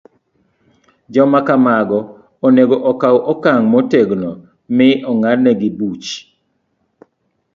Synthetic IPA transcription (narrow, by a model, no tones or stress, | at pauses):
d͡ʒɔmakamaɡɔ | oneɡoʔɔkawʔɔkaŋmoteɡnɔ | mɪʔɔŋadnɛɡɪbut͡ʃ